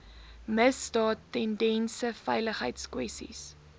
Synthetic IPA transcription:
məsdɑːtːɛndɛnsəfɛjləχɦəjtskwɛstḭs

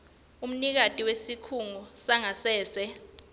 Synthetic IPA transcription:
um̩nik̬atʼiwesikʰuŋɔsaŋasɛːsɛ

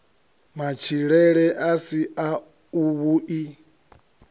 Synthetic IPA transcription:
mat͡ʃʰiɺɛɺɛʔasia | uβuʔi

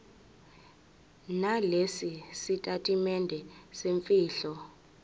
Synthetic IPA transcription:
nalesisitʼatʼimɛndʱɛseɱfiːɬɔ

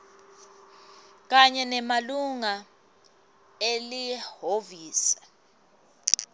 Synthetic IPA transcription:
k̬aɲɛnɛmaluŋa | elihoviːsḁ

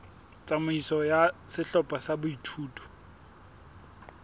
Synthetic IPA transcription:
t͡sʼamʊisɔjasɪɬɔpʼasabʊitʰuːtʼɔ̥

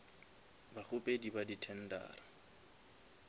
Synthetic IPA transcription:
baχʊpʼedibaditʰɛn̩da̰ːɾa

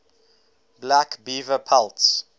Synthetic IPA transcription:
blækbivəpʰalts

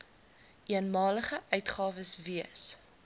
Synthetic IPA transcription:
ʔiənmɑːləχəʔœɥtχɑːvəsviəs

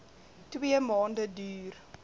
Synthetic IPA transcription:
twiəmɑːndədyːr

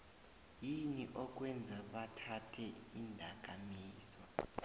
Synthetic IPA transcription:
jiniʔɔk̬ʼwɛnd͡zʱaɓatʰatʰɛindʱak̬ʼamiːzwa

